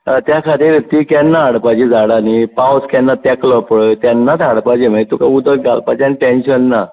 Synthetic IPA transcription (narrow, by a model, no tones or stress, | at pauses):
t̪jakʰat̪iːɾət̪iːkɛnːaaɽpad͡ʑid͡zaɽanipawskɛnːat̪ɛklɔpəɽt̪jɛnːat̪aɽpad͡ʑimajt̪ukaud̪əɾ̚ɡalpad͡ʑaniʈɛ̃nɕənːa